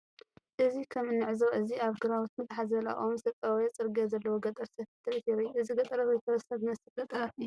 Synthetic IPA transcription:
ʔɨzikʰɐmɨnːɨʕzoʔɨziaβɡɨɾawut̪mɨt̪ħazɐla̰ʔʼomsɐt̪ʼawjat͡sʼɨɾɡɐzɐlːɐwoɡɐt̪ʼɐɾsɐfɨt̪ʰːɨlɨt̪jɛɾɐjuɨziɡɐt̪ʼɐɾɐwojt̪ʰɐwɐsɐβnɐsɨɐt̪ʼɐɾɐfɨu

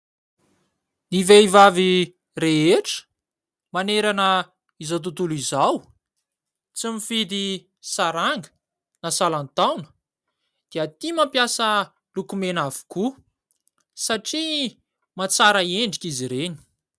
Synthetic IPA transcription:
niveivavi | reeʈ͡ʂə̥ | maneɾanə | izat̪̬ut̪ulizaw | t͡simifid̪i | saɾaŋɡə̥ | nasalant̪awnə̥ | d̪̥eat̪imampjasə | lukumenavu̥ku | saʈ͡ʂi | mat͡saɾəeɳɖ͡ʐikʲiziɾeni̥

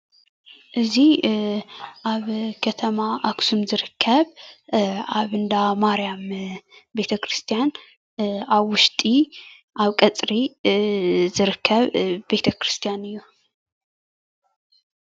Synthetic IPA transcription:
ʔɨzi | ʔaβkʰɐt̪ʰɐmaʔaksumzɨɾɨkʰːɐβ | aβɨnd̪amaɾijambe̞t̪ʰɐkʰɾɨst̪ʰijan | aβwʊʃt̪ʼi | ʔaβkʼɐt͡sʼɾi | zɨɾɨkʰːɐβbe̞t̪ʰɐkɾɨst̪ʰijanɨjːu

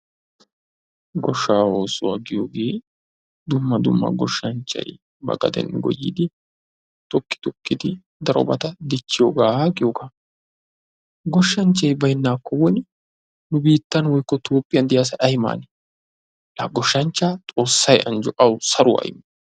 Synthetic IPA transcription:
ɡɔʃːaːoːsʊwɐɡɪjoːɡeː | d̪ʊmːɐd̪ʊmːɐ̰ɡɔʃːɐnt͡ʃːɐ̰j | bɐ̰ɡɐ̰d̪ɛ̰nɡɔ̰jːɪ̰d̪ɪ | t̪ɔkːɪ̥t̪ɔkːɪd̪ɪ | d̪ɐɾɔ̰bɐt̪ɐd̪ɪt͡ʃːɪjoɡaːɡɪjoɡaː | ɡɔʃːɐnt͡ʃːɐjbɐjɪnːaːkːɔwɔn | nʊbiːt̪ːɐnwɔjkːɔt̪ʰoːpʼːɪjɐnd̪ɪjas̬ɐʔɐjma̰ːnɛ | ʔɐɡɔʃːɐnt͡ʃːaːt̪ʼo̞ːsːɐjɐnd͡ʒʊʔɐwsɐɾʊɐ̰jmɐ

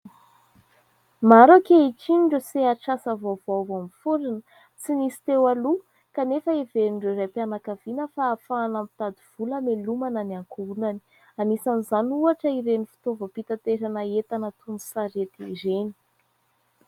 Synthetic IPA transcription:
maɾokeiʈ͡ʂiɳɖ͡ʐəseaʈ͡ʂasavovavamifuɾinə | t͡sinisi̥t̪ewalu | kanefəeveɾiɳɖ͡ʐeɾajpjanakavinəfaːfaːnampi̥t̪ad̪iv̥uləmelumananiaŋkuunani̥ | anisanizanuaʈ͡ʂəiɾenifi̥t̪ovəpit̪at̪eɾanəet̪anət̪unusaɾet̪iɾeni̥

